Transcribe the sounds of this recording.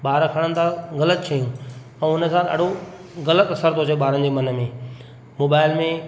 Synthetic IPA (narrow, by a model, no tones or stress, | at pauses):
ɓaːɾkʰɐɽ̃ənɪ̆t̪ʰãɣɐlət̪̚t͡ɕʰɐjũ | ɛ̃ʊnə̆zaːlɐ̰ɽ̤o | ɣɐlət̪ɐsəɾt̪ʰoːt͡ɕʰeɓaːɾənd͡ʑeːmɐnə̆mẽː | moːbaːɪlmẽ